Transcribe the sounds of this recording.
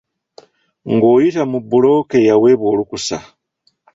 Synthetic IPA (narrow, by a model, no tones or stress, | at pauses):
ŋɡo̞ːjitamubulo̞kejawe̞βwo̞ːlukusa